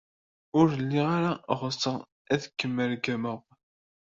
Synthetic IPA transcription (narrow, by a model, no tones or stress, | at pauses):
ʊɾəlːiʁaɾaʁəsːə | æθkːəmːəɾɡæməʁ